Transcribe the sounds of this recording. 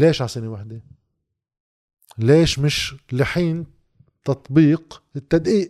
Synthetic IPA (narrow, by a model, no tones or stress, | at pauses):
leːʃʕasɪnewaħd̪e | leːʃmɪʃlɪħiːn | t̪ɑt̪ˤbiːqɪt̪ːad̪ʔiːʔ